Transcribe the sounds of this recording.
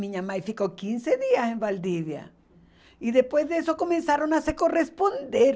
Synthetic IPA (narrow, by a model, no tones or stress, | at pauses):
miɲamajfiko̞kinse̞ðiase̞mbald̪iβja̰ | iðe̞spwe̞zðeeso̞ko̞mẽ̞nsaɾo̞naseko̞re̞spo̞nd̪eɾ